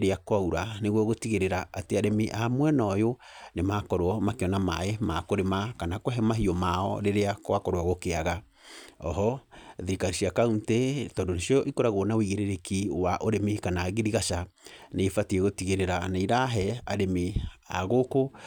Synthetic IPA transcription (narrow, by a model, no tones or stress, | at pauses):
ɾeakwauɾaneɣwɔɣotiɣeɾeɾaateaɾemeʔamwɛnɔjo | nemakɔɾoɔmakeɔnama̰emakoɾemakanakwɛɦɛmaɦiɔmaɔ̰ɾeɾeakowakɔɾwaɣokeaɣa | ɔɦɔðeɾikaɾiʃiakauntetɔːndoneʃiɔʔikoɾaɣoːnawiɣeɾeɾekiwaʔoɾemekanaːɣeɾiɣaʃaneːfatieɣotiɣeɾeɾanaiɾaɦɛaɾemea̰ɣoko